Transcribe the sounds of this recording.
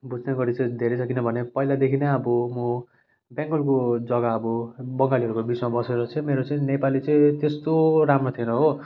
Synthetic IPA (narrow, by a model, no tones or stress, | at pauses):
bud͡znʌɡʌɾit͡sʌĩd̪ʱeɾet͡sʰʌkinʌbʱʌnepʌilad̪ekʰinaʌbʌmʌ | bjãŋɡʌlkod͡zʌɡaʌbʌbʌŋɡaliɦʌɾukobit͡smabʌseɾʌt͡sʰʌĩmeɾot͡sʌĩnepalit͡sʌ̃ĩt̪est̪oɾamrot̪ʰienʌɦo